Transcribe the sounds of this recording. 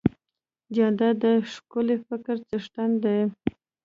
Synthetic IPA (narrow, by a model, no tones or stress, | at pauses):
d͡ʒand̪ad̪əʂkʊlefɪkɾt͡səʂʈand̪e